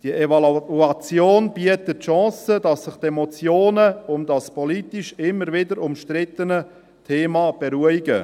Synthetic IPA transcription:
d̥iəʔevɑluɑt͡sjoːnbiətətʃɑ̃ːsədɑsːɪχtɛmɔt͡sjoːnəʊmdɑspʰɔlitiʃɪmːəɾvɪdəɾʊmʃtrɪtənə | tʰeːmɑb̥eɾuːəɪɡə

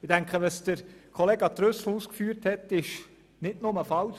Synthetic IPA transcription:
ɪd̥æŋkχəʋɑsd̥əɾkʰɔleːɡɑt̪ɾøsl̩uːskfyːɾthɛt̪ɪʃ | nɪdnʊməfɑl

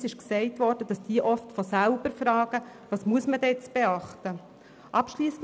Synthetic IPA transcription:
sɪʃksɛɪtʋɔɾd̥əd̥ɑsd̥iːəʔɔftfɔsælbəɾfɾɑːɡ̥əʋɑːsmuəsmədt͡sb̥eɑχtə | ʔɑpʃliːs

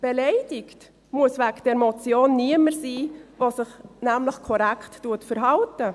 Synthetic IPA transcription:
b̥elɛɪd̥ɪkt | muəsvækd̥ɛɾmot͡sjoːnːiəməɾsiːvosɪχnæmləxkʰɔɾækʰtːuətfəɾɦɑltə

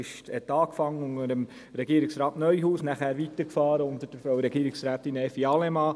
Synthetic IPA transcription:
ɪʃtɛt̪ɑːkfɑŋəʊŋəɾəm | ɾɛɡiːəɾɪksɾɑːtnœʏhuːsnæχæːɾʋit̪əkfɑːɾəʊnt̪əɾd̥əɾfɔwɾɛɡ̥iːɾɪksɾæːt̪inɛfiɑlɛmɑː

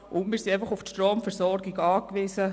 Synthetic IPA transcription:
ʔʊnmiːɾsieɪfɑχʊftʃtroːmfɛɾsɔɾɡiɡɑːkʋɪsə

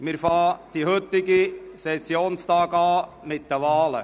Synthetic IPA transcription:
mɪɾfɑːd̥ihɵt̪ːɪɡisɛsjoːnst̪ɑːɡɑː | mɪt̪̚d̥̪əʋɑːlə̰

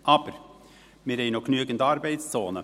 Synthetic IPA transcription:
ʔɑb̥əɾ | mɪːɾhɛɪnoknyəɡən̩dɑːɾbɛɪtst͡soːnə

